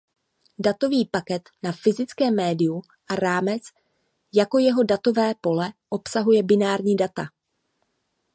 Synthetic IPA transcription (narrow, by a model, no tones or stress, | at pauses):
dat̪o̞viːpakɛt̪nafɪzɪt͡skɛːmːɛːdɪju | ʔaɾaːmɛt͡s | jako̞jɛɦo̞dat̪o̞vɛːpo̞lɛʔo̞psaɦujɛbɪnaːɾɲiːdat̪a